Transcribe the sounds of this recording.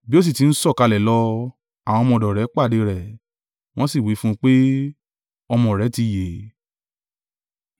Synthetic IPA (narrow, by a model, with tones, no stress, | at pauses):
bi˦o˦s̬i˦˨ti˨˦n̩˦sɔ˦˨ka˧lɛ˨˦lɔ˧ | a˨w̃ɔ̃˧mɔ̃˧˨dɔ˨ɾɛ˨˦k͡pa˦˨de˧˦ɾɛ˨ | w̃ɔ̃˦si˦˨wi˨˦fũ˦k͡pe˦ | ɔ˧mɔ̃˧˨ɾɛ˨˦ti˧˦˨je˨